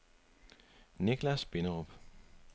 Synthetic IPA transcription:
neɡ̥læsb̥e̝nəʁɔb̥

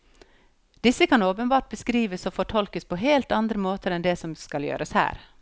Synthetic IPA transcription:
d̪̥ɪsːəkʰɑnoːpənbɑːʈ̚bəskɾiːʋəsoːfɔʈʰɔlkəspʰoːɦeːlt̪ɑnd̪ɾəmoːt̪əɾɛnd̪ɛːsɔmskɑljø̰ːɾəshæ̰ːɾ

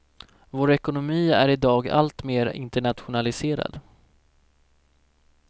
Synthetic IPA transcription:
voːɾɛkʊnʊmiːæ̰ɾɪd̪ɑːɡa̰lt̪meːɾɪ̰nt̪əɳat̪ɧʊnalɪseːɾa̰d̪

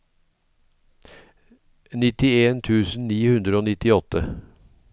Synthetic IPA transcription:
nɪt̪ɪeːnt̪ʰʉːsn̩niːhʉnd̪ɾəoːnɪt̪ɪɔt̪ə

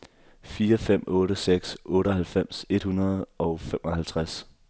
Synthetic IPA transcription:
fiːɐfem̰ɔ̽ːɾəseɡ̥sʔɔ̽ːɾəɦælfem̰se̝d̥hunɐð̞̩ˠʔɒ̽ʊfem̰ʔɒ̽hælt͡sʰʁas

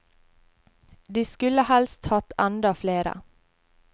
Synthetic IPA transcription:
d̪iːskʉləhɛlst̪hɑt̪ænd̪ɑfleːɾə̰

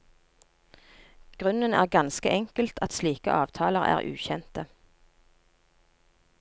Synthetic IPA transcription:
ɡ̥ʁʉnənæ̰ːʁɡɑnskəʔɛŋkəlt̪ʰɑt̪sliːkə̰ʔɑːʋt̪ʰɑːləʁæ̰ːʁʔʉ̰ːçɛnt̪ə

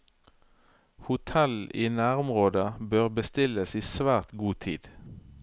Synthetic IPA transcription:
hʊt̪ʰɛliːnæːʁʊmʁoːd̪əbøːʁbəst̪ɪləsiːsʋæːʁt̪ɡuːt̪ʰḭːd̪̥

